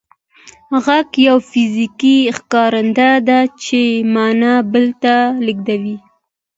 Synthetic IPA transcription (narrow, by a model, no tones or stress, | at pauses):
ɣakjawfizikixkɑɾɪnd̪ad̪at͡ʃemɑnabəlt̪alɪɡd̪awi